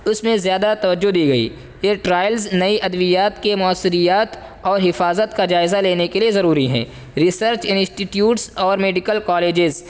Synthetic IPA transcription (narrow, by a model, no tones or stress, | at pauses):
ʊsmẽzjaːd̪at̪ɐʋəd͡ʒːod̪iːɡɐḭː | jeʈɾaːɪəlznɐiʔɐd̪ʋijaːt̪kemʊəsːɪɾijaːt̪ | ɔːɾɦɪfaːzət̪kad͡ʒaːɪzaleːnekeliezɐɾuːɾiɦɛ̰̃ː | ɾɪsəɾt͡ʃɪnsʈiʈjuːʈsɔːɾmeːɖɪkəlkɔːleːd͡ʒɪz